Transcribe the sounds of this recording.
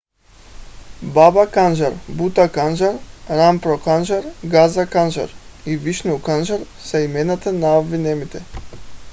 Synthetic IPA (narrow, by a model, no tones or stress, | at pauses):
babakanʒaɾbut̪akanʒaɾɾampɾɔkanʒaɾɡazakanʒa̰ɾ | iviʃnuukanʒaɾ | saimɛnat̪anavinɛmit̪ɛ